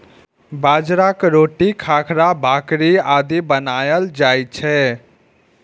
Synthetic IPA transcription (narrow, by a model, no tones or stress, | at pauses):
bad͡ʒɾakɾoʈikʰakʰɾabʱakɾiad̪ibənajəld͡ʒajt͡ʃʰɛ